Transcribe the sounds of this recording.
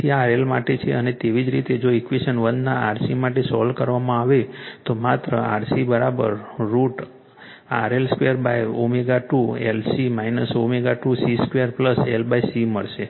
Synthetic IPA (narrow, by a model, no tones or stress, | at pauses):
iaɾelmaʈet͡ʃʰeənet̪eʋid͡ʒɾit̪ed͡ʒoikʋeʃənʋənd̪naaɾsimaʈesɔlkəɾʋamãaʋet̪omat̪ɾəa̰ɾsibəɾabə̰ɾːuʈ | a̰ɾelskʋejəɾbajʋomeɡaʈuḛlsimainəsomeɡaʈusiskʋijəɾpləselbajsiməɭʃe